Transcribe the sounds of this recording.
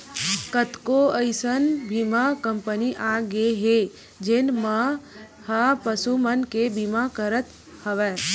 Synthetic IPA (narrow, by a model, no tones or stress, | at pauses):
kət̪koəɪsənbʱimakəmpəniʔaɡeɦe | d͡ʒenmã | hapəsumənkebimakəɾət̪ | həʋɛː